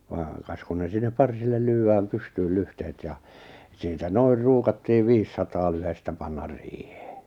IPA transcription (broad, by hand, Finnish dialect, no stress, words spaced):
ʋɑːŋ kɑs kun ne sinːep pɑrsilːel lyːæːm pystyːl lyhtehet jɑ siːtæ noir ruːkɑtːiːʋ ʋiːsːɑtɑː lyhestæ pɑnːɑr riːhe̥ː